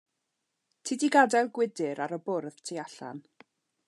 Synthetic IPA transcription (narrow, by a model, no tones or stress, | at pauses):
tʰidiɡadɛlˠɡwɪdɪɾaɾəbʊrðtʰiaɬa̰n